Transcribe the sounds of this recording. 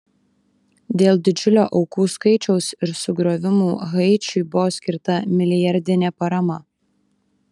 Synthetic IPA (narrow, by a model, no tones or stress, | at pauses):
d̪ʲeːlˠd̪ʲɪd͡ʒʲʊlʲoːʔɒʊkuːskɐɪt͡ʃʲɛʊsɪɾsʊɡɾoːʋʲɪmuːɣɐɪt͡ʃʲʊɪbʊʋoːsʲkʲɪɾt̪ɐmʲɪlʲɪjɐɾʲd̪ʲɪnʲɛpɐɾɐmɐ